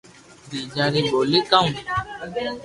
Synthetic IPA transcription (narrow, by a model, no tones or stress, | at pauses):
ded͡ʒaɾiɡ͡bɔlekaũ